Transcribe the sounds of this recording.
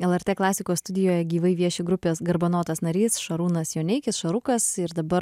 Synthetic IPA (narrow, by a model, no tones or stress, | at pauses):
ɛlˠɛɾʲt̪ʲeːklˠɑːsʲɪkoːsst̪ʊd̪ʲɪjoːjɛɡʲiːʋɐɪʋʲiɛʃʲɪɡɾʊpʲeːsɡɐɾbɐnoːt̪ɐsnɐɾʲiːsʃɐɾuːnɐsjoːnʲɛɪkʲɪsʃɐɾʊkɐsɪɾd̪ɐbɐɾ